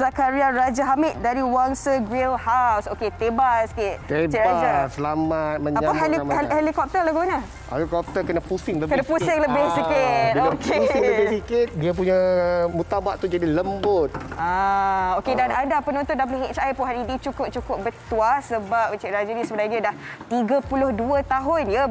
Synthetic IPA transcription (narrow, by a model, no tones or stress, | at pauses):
zakaɾiaɾad͡ʒaɦamɪt̪̚daɾiwaŋsəɡɾilhawsoket̪ebasi̥kɪt̪̚t̪et͡ʃɛʔɾad͡ʒasəlamat̪̚məɲaapaɦelihehelikɔp̚t̪əlaɡuanə | hḛlikɔp̚t̪əkənapusɪŋləbkənãpusɪŋləbɪhsikɪt̪̚okeləbɪsikɪt̪̚diəp̬uɲamut̪abaʔt̪ud͡ʒadiləmbʊt̪̚aokedanadapənɔ̃nt̪ɔndap̬oleɦet͡ʃajpʊnɦaɾidit͡ʃukʊp̚t͡ʃukʊp̚bət̪uasəbap̚t͡ʃɛʔɾad͡ʒanĩsəbənadiədaht̪iɡəpulʊhduət̪aɦʊnjə